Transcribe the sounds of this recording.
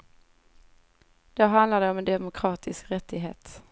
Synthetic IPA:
d̪̥æɦand̪laɖ̪ɛɔmɛnd̪ɛmʊkʰɾɑːt̪ʰɪskɾɛt̪ʰːɪɡɦḛːt̪

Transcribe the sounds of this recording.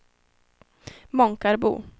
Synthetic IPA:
mɔŋkaɾbṵː

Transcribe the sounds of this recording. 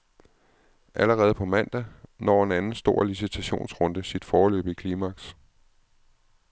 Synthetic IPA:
ʔæləʁɛːð̞̩ˠpʰɒ̽mæn̰d̥ænɒ̰ːe̝nænn̩sd̥o̝ɐ̰lisit͡sʰæɕo̝̰ːnsʁɔ̽nd̥əsid̥fɒːlø̰ːb̥əikʰliːmɑ̈ɡ̥s

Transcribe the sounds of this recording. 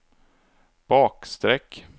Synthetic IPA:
b̥ɑːkst̪ɾɛkː

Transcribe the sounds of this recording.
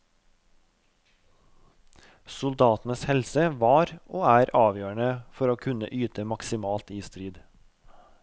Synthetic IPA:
sʊld̪ɑːt̪n̩əshɛlsəʋɑːɾʔoːæːɾɑːʋjøːɳəfɔɾoːkʰʉnə̰ʔyːt̪əmɑksɪmɑːlt̪iːst̪ɾiːd̪

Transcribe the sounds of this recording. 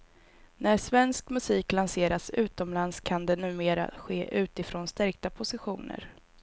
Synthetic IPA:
næʂvɛnskmɵsiːklanseːɾasʉ̟ːt̪ɔmlanskʰand̪ɛnʉ̟ːmeːɾa̰ɧeːʔʉ̟ːt̪ɪfɾoːnst̪ɛɾk̚t̪apʰʊsɪɧuːnə̰ɾ

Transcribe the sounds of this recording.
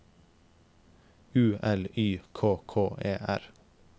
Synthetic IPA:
ʉːʔɛlyːkʰoːkʰoːʔeːʔæɾ

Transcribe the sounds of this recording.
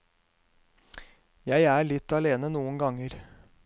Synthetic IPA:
jæɪæːɭɪt̪ɑleːnənuːənɡɑŋəɾ

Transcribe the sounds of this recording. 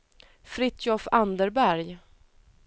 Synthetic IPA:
fɾɪt̪ʰjɔfand̪əɾbæɾj

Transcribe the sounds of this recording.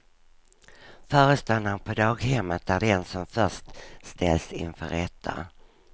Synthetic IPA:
fœːɾəst̪anːanpʰɔd̪ɑːɡhɛmːət̪̚æɖ̪ɛnsɔmfœʂtst̪ʰɛlsɪ̰nfœ̰ɾɛt̪ʰːa̰

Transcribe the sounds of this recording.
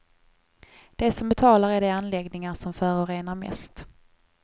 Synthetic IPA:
d̪̥ɛsɔmbɛt̪ʰɑːlaɾæɖɛanlɛɡnɪŋaɾsɔmfœːɾʊɾeːnaɾmɛ̰st̪

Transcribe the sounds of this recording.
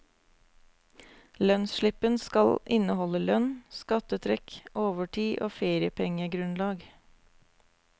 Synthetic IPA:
lœnsʃɭɪpənskɑlʔɪnəhɔləlœnskɑt̪ət̪ʰɾɛkʔoːʋəʈʰiːʔoːfeːɾɪəpʰɛŋəɡɾʉnlɑːɡ

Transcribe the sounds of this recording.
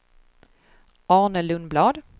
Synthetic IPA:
ɑːnəlɵnblɑːd̪

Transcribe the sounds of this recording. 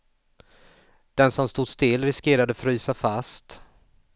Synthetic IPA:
d̪̥ɛnsɔmst̪uːd̪st̪ɪlːɾɪskeːɾad̪əfɾyːsafast̪

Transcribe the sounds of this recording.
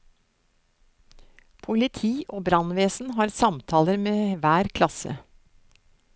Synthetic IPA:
pʰʊlɪt̪ʰiːʔoːbɾɑnʋeːsn̩hɑːɾsɑmt̪ʰɑːləɾmeːʋæːɾkʰlɑsə̰

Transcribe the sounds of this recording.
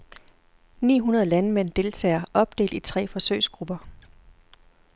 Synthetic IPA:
nḭːɦunɐð̞ˠlænmen̰d̥e̝lt͡sʰɛ̰ːɐʔɒ̽b̥̚d̥e̝̰ːld̥it͡sʰʁɛ̰ːfɒ̽søɪ̰sɡ̥ʁub̥ɐ

